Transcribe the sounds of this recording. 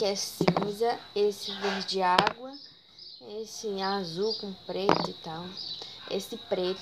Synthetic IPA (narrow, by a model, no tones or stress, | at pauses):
kɛsĩzɐesɪved͡ʒɪaɡwɐ | esɪazukõpɾet̪ʊɪt̪ãwḛsɪpɾet̪